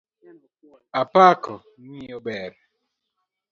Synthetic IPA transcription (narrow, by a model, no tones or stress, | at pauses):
apakɔŋiobɛɾ